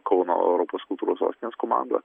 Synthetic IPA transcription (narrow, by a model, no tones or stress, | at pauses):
kɔʊno̰ːɛ̰ʊɾɔpoːskʊlˠt̪uːɾoːso̰ːst̪ʲɪnʲeːskomɑ̰ˑnd̪ɐ̰